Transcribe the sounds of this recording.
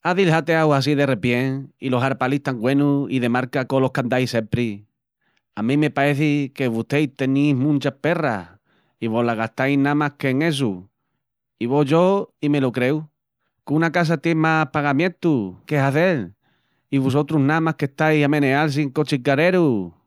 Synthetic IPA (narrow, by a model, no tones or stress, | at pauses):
aðilhat̪eawas̬iðe̞repjeŋilo̞ɦaɾpaliht̪aŋɡwe̞nuiðe̞maɾkakolo̞hkand̪ajse̞mpɾi | amĩme̞paɾe̞θike̞βut̪ejt̪e̞nijɦmũnt͡ʃape̞ra̰ | iβo̞laɣat̪ajnamahke̞ŋe̞s̬u | iβo̞ʝoime̞lokɾe̞w | kunakas̬at̪jemapaɣamjẽ̞nt̪ukeɦaθe̞l | iβus̬ot̪ɾuɦnãmahkeht̪ajamẽ̞neals̬iŋkot͡ʃikaɾe̞ɾu